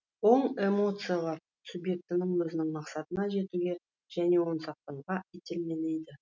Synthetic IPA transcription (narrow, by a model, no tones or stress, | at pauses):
o̞ɴe̞mo̞t̪sɨjalˠɑɾ | subje̞k̚t̪ɪnɪŋwɵzɪnɪŋmɑqsɑt̪ənɑʒe̞t̪uɡʲe̞ | ʒ̥æne̞wo̞nsɑq̚t̪ɑɴʁɑet̪elme̞lejd̪ɪ